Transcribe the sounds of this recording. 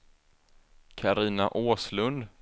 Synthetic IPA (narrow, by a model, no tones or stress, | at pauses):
kʰaɾiːna̰ʔoːslɵnd̪